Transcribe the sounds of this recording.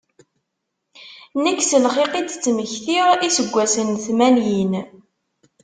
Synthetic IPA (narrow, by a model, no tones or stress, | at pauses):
nəkːsəlχiqit͡st͡sːməçθiʁisəɡʷːæsənθmænjin